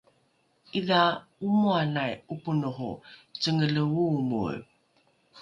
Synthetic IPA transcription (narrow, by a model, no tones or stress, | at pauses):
iðaumuanajupunuɦṵt͡səŋələwumṵɭ